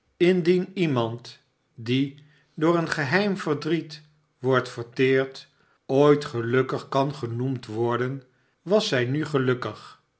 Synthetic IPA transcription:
ɪndinimɑnt | di | dʊːɹənχəɦɛjmvəɹdrit | ʋɔɹtfəɹtɪːɹt | ojtχəlɵkəχkɑnχənumtʋɔɹdən | ʋɑsɛjnyχəlɵkəχ

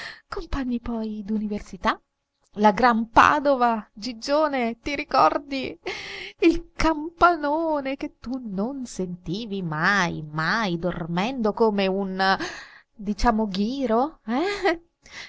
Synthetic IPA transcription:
kompaɲːipɔjd̪universit̪a | laɡɾampa̰ːd̪ovad͡ʒid͡ʒːoːnet̪iɾikɔrd̪i | ilkampanoːnek̟et̪ːunonsent̪iːvimajmajd̪ormɛnd̪okoːmeun | d̪it͡ʃaːmoɡiːɾoɛ

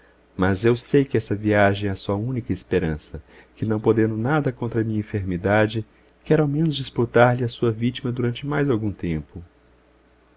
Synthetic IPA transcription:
mɐzewsejkɪɛsɐviaʒẽj̃ɛɐsuɐũnikɐespeɾɐ̃sɐkɪnɐ̃w̃pod̪ẽnd̪ʊnad̪ɐkõnt̪ɾɐmĩɲɐẽfeɾmid̪ad͡ʒɪ | kɛɾʊawmẽnʊzd͡ʒisput̪aɾlɪɐsuɐvit͡ʃimɐd̪uɾɐ̃nt͡ʃɪmajzawɡũt̪ẽmpʊ

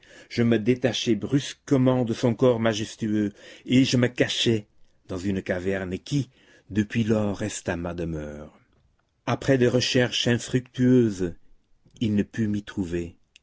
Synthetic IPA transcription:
ʒ̥əməd̪et̪aʃɛbʁyskəmɑ̃d̪əsɔ̃kɔʁmaʒɛst̪yøeʒəməkaʃɛ | d̪ɑ̃zynkavɛʁnkʲi | d̪əpɥilɔʁːɛst̪amad̪əmœːʁ | apχɛd̪eʁəʃɛʁʃɛ̃fχykt̪yøːz | ilnəpymit̪χuve

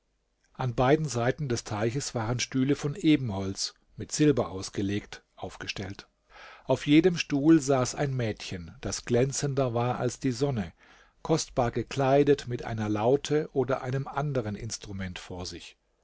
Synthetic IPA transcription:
ʔanbaɪdn̩zaɪtn̩dɛstʰaɪçəsv̥aːʁənʃtyːləfɔnʔeːbm̩hɔlt͡s | mɪtz̥ɪlbɐʔaʊsɡ̥əleːktʔaʊfɡ̥əʃtɛlt | ʔaʊfjeːdəmʃtuːlzaːsa̰ɪnmɛːtçənd̥asɡ̥lɛnt͡səndɐvaːɐʔa̰lsd̥iːzɔnə | kʰɔstb̥aːɐɡəkl̥aɪdətmɪtʔa̰ɪnɐlaʊtʰəʔoːdɐʔaɪnəmʔandəʁənʔɪ̰nstʁ̥umɛntfoːɐzɪç

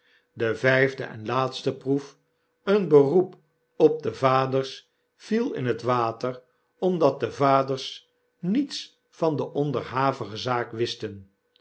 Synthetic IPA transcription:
dəvɛjvdə̰ʔɛ̰nlaːtstəpruf | ənbərup | ɔp̚dəvaːdərs | filˠɪ̰nɦətʋaːtər | ɔmdɑt̚dəvaːdərs | nits | fɑndəʔɔndərɦaːvəχəzaːkʋɪstən

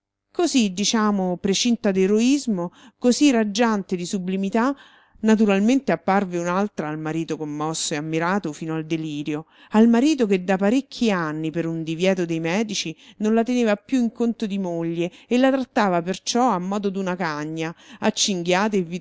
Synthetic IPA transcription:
kozid̪it͡ʃaːmopɾet͡ʃint̪ad̪eɾoizmokozirad͡ʒːant̪ed̪isublimit̪a | nat̪̬uɾalment̪eapːarveunalt̪ɾaːlmaɾiːt̪okomːɔsːoeamːiɾaːt̪ofiːnoald̪eliːɾjo | almaɾiːt̪̬oked̪ːapaɾekʰːiaanːipeɾund̪ivjɛːt̪od̪ejmɛːd̪it͡ʃinonlat̪eneːvapjuiŋkont̪od̪imoʎːeelːat̪ɾat̪ːaːvapert͡ʃɔamːɔːd̪od̪unakaɲːaat͡ʃːiŋɡjaːt̪̬aevːi

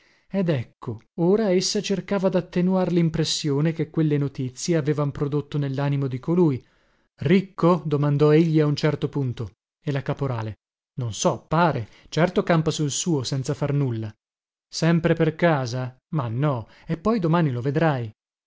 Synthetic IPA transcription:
ɛd̪ɛkʰːooːɾaesːat͡ʃerkaːvad̪at̪ːenuarlimpɾesːjoːnekekːwelːenot̪it̪sːjeaveːvampɾod̪ot̪ːonelːaːnimod̪ikoluːji | rikːod̪omand̪ɔeʎːiaunt͡ʃɛrt̪opunt̪o | elakapoɾaːle | nonsɔpːaːɾe | t͡ʃɛrt̪okampasuilsuːosɛnt̪safarnulːa | sɛmpɾeperkaːza | manːɔ | epːɔjd̪omaːniloved̪ɾaj

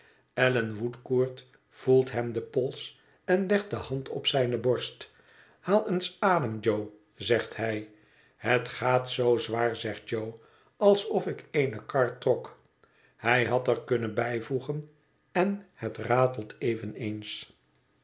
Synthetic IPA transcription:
ɛlənʋutkuːɹt | v̥ulˠtɦɛmdəpɔlˠs | ɛnlɛχt̚dəhɑntʰɔ̰psɛjnəbɔɹst | haːlˠənsaːdəmd͡ʒow | zɛχthɛj | hətχaːtsowzʋaːɹzɛχd̚d͡ʒow | ɑlˠsɔfɪkejnəkɑɹtːrɔk | hɛjɦɑtəɹkɵnənbɛjvuχən | ɛnhətraːtəlˠtʰejvənens

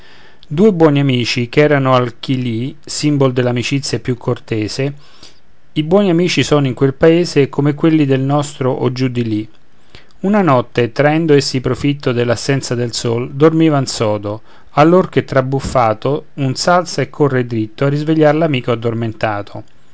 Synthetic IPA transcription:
d̪uːebwɔːniamiːt͡ʃikɛːɾanoalkili | simbold̪elːamit͡ʃit̪sːjapjukʰːort̪ɛːze | ibwɔːniamiːt͡ʃisɔːnoiŋkwelpaeːzekomekwelːid̪elnɔst̪ɾoʔod͡ʒːud̪ili | unanɔt̪ːet̪ɾaɛnd̪oesːipɾofit̪ːod̪elːasːɛnt̪sad̪elsold̪ormiːvansɔːd̪o | alːork̟et̪ːɾabufːaːt̪ounsalt̪saekʰːorːed̪ɾit̪ːoarːizveʎːarlamiːkoad̪ːorment̪aːt̪ʰo

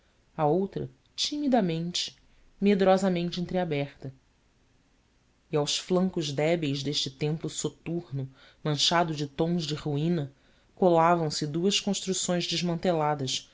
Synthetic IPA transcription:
ɐowt̪ɾɐ | t͡ʃimid̪ɐmẽnt͡ʃɪ̥ | med̪ɾɔzɐmẽnt͡ʃɪẽnt̪ɾɪabɛχt̪ɐ | ɪawsflɐ̃ŋkʊʒd̪ɛbejzd̪eʃt͡ʃɪt̪ẽmplʊsot̪uɾnʊ | mɐ̃nʃad̪ʊd͡ʒɪt̪õw̃ʒd͡ʒɪʁuĩnɐ | kolavɐ̃w̃sɪd̪uɐskõʃt̪ɾusõj̃zd͡ʒɪʒmɐ̃nt̪elad̪ɐʃ

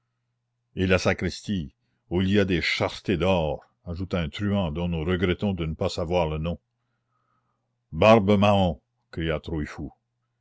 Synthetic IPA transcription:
elasakɾist̪i | uiliad̪eʃaʁt̪ed̪ɔːʁ | aʒut̪aɛ̃t̪ɾyɑ̃d̪ɔ̃nuɾəɡɾɛt̪ɔ̃d̪ənəpasavwaːʁlənɔ̃ | baʁbəmaɔ̃ | kɾijat̪ɾuifu

